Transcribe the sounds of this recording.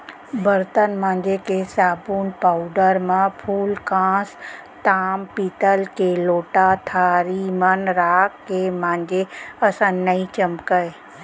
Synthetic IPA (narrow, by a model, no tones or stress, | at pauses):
bəɾt̪ənmãːɲd͡ʒekesaːbuːnpaːʊɖəɾmãpʰuːlkãːs | t̪aːmpiːt̪əlkeloːʈat̪ʰaːɾimənɾaːkːemãːnd͡ʒeəsãnːəĩt͡ʃəmkəj